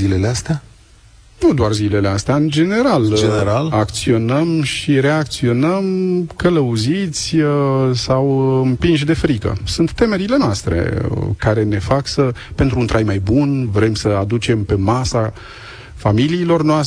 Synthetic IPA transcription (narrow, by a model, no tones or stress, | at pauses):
zileleast̪ea | nud̪oarzile̞least̪eaɨnd͡ʒe̞ne̞ɾald͡ʒeeɾalakt̪sio̞nəmʃiɾe̞ak̚t̪sio̞nəmkələuzit̪sʲəsawɨmpinʃ̬d̪e̞fɾikə̰sunt̪ːe̞me̞ɾile̞noast̪ɾḛkaɾe̞ne̞faksəpe̞nt̪ɾunt̪ɾʔajmajbunvɾe̞msəad̪ut͡ʃe̞mpe̞masa | familiːlo̞rnoas